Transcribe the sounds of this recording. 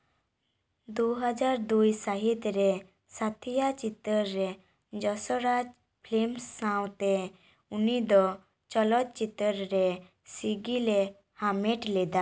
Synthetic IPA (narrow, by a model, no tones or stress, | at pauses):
d̪uɦəd͡ʒaɾd̪ujsaɦit̪ɾe | sat̪ʰijat͡ʃit̪əɾːe | d͡ʒɔsɔɾad͡ʒ | pʰlemsːãwt̪e | unid̪ɔ | t͡ʃɔlɔt̪̚t͡ʃit̪ːəɾɾe | siɡile | hameʈled̪a